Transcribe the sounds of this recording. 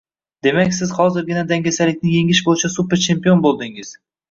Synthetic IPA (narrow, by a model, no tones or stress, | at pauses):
d̪̥e̞makʲsɪz̥hɒzɪɾɡʲɪnad̪aŋɡʲasalɪkʲnɪje̞ŋɪʃbojɪt͡ʃʰasupe̞ɾt͡ʃʰe̞mpijo̞nbolˠd̪ɪŋɪz̥